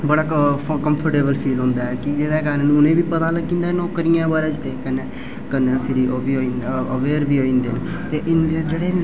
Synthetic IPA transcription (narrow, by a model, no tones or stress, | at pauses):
bəɽaːkəmpʰəɾʈeːbəlpʰiːlɦʊ̃ːnd̪aːɛːkɪd͡ʒeːd̪aːkaːnːñːʊnẽːbiːpət̪aːləɡĩːnd̪aːnoːkəɾijãːbaːɾaːd͡ʒt̪eːkənɛː | kəɾnɛːpʰɪɾiobiːɦoːinəʋeːɾbiːɦoːĩːnd̪ḛːnː | t̪eːʔɪnd̪ed͡ʒeːɽeː